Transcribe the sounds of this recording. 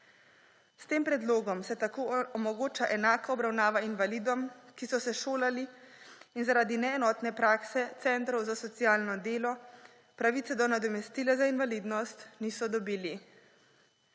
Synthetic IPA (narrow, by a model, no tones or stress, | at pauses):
st̪eːmpɾɛd̪loːɡɔmsɛt̪akoːɔmɔɡoːt͡ʃaʔɛnaːkaɔbɾawnaːʋainʋaliːd̪ɔmkisɔsɛʃoːlaliː | nzaɾaːd̪inɛɛnɔt̪nɛpɾaːksɛt̪sɛnt̪ɾɔwzasɔt̪sijaːlnɔd̪eːlɔ | pɾaʋit̪sɛd̪ɔnad̪ɔmɛst̪iːlɛzainvaliːd̪nɔst̪niːsɔd̪ɔbiːli